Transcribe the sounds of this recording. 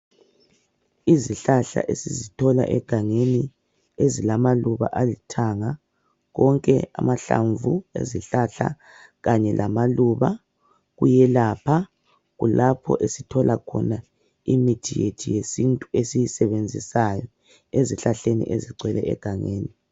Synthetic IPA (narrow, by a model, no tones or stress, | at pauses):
iziɬaɬa̰ʔesizitʰɔla̰ʔɛ̰ɡ̥ʱaŋeni | ezilamaluβa̰ʔalitʰaŋa | ɣɔŋkʼɛ̰a̰maɬa̰ɱvuḛziɬaɬa̰ | ɣaɲɛlʔamaluːβa | ɣujɛlaːpʰa | ɣulapʰɔ̰ʔesitʰɔlʔakʰɔna | imitʰijetʰijesintʼuesijisɛβend͡zʱisajɔ | eziɬaɬenḭʔeziɡ͡ǀʱwɛlɛɛ̰ɡ̥ʱaŋeːni